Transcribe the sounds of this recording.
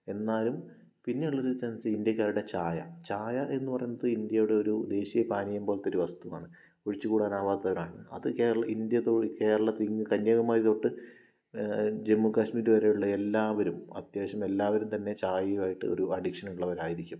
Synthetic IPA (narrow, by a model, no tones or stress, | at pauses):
e̞nːaːlum | pinːe̞uɭːoɾut͡ɕɐnsɨind̪jɐkʲːaːɾuɽet͡ɕaːjɐ̰t͡ɕaːjɐʔe̞nːupɐrɐjunːɐðɨind̪jɐjuɽe̞o̞ɾud̪e̞ːɕijɐpaːnijɐmbo̞ːlet̪ːoɾuʋɐst̪uʋa̰ːɳɨ | koɻit͡ɕːɨkuːɽaːnaːʋaːt̪ːɐɣɐaːɳɨɐ̰ðɨke̞ːɾɐɭɐʔind̪jɐt̪oːke̞ːɾɐɭɐt̪iŋɡɨkɐɲːjɐɣɐmaːjit̪o̞ːʈːɨ | d͡ʑe̞mːukaːɕmiːɾuʋɐɾejuɭːɐe̞lːaːʋɐɾumɐ̰t̪jeːɕɐme̞lːaːʋɐɾumt̪ɐnːe̞t͡ɕaːjɐjuaːjiʈːɨ̰o̞̰ɾuɐɖikʂɐnuɭːɐʋɐɾaːjiɾikʲːum